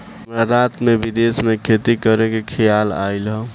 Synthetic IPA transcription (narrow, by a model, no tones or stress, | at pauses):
maɾat̪mebid̪esmekʰet̪ikəɾekekʰijala̰ilɦə̃